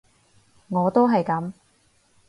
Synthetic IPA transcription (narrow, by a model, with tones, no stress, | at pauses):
ŋɔː˨˧t̪o˥wɦɐ˨jkɐ˨˥m